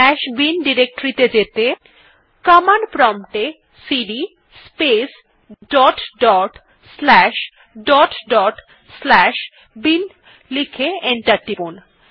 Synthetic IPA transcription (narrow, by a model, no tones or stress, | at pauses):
ɛʃbinɖiɾek̚ʈɾit̪ed͡ʑet̪e | kamanpɾɔmʈe | siɖi | spes | ɖɔʈɖɔʈ | slɛʃ | ɖɔʈɖɔʈ | slɛʃ | bin | likʰeeɳʈaɾʈipon